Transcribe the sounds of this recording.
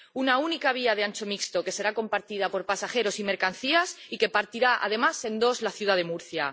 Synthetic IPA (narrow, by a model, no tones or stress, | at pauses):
unaunikaβ̞iað̞eant͡ʃo̞mikst̪o̞ke̞se̞ɾako̞mpaɾt̪ið̞apo̞ɾpasaxe̞ɾo̞sime̞ɾkan̟θiasike̞paɾt̪iɾaʔa̰ð̞e̞mase̞nd̪o̞zlaθjuðað̞e̞muɾθja